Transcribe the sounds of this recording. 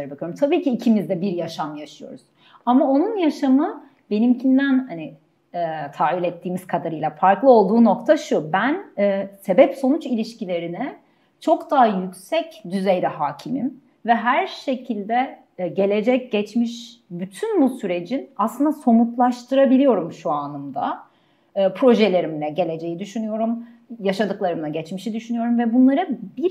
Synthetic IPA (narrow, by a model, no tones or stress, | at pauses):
ɾbakɯyjoɾumt̪ʰabiːcʰiːcʰimizd̪ɛbiɾjaʃamjaʃɯjo̞̰ɾuz̥ | amao̞nunjaʃamɯ | be̞nimcʰind̪ænhani | ɛːt̪ʰaːvilʲɛt̪ʰːiːmiz̥kʰad̪aɾɯjlˠafaɾklˠɯo̞lˠd̪uːno̞kt̪ʰaʃubænːse̞bɛpso̞nut͡ʃilʲiʃcilʲe̞ɾinɛ | t͡ʃʰo̞kd̪aɦajycʲsɛcd̪yzɛjd̪ɛɦaːcʰimḭn | vɛɦæɾʃe̞cʰilʲd̪ɛ | ɟe̞lʲe̞d͡ʒɛc̚ɟɛt͡ʃmiʃbyt̪ʰynbusyɾe̞d͡ʒinaslˠɯnd̪aso̞mut̪lˠaʃt̪ʰɯɾabilʲijo̞ɾumʃuanɯmd̪a̰ː | pʰɾo̞ʒelʲe̞ɾimlʲɛɟe̞lʲe̞d͡ʒe̞jid̪yʃynyjo̞ɾum | jaʃad̪ɯklˠaɾɯmlˠaɟɛt͡ʃmiʃid̪yʃynyjo̞ɾumvɛbunlˠaɾɯbiɾ